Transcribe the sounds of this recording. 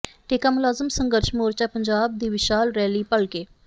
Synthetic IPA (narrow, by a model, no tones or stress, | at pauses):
ʈeːkaːmʊlaːzəmsəŋɡəɾʃmoːɾt͡ʃaːpəɲd͡ʒaːb̚d̪iːʋɪʃaːlɾɛːliːpəɭkeː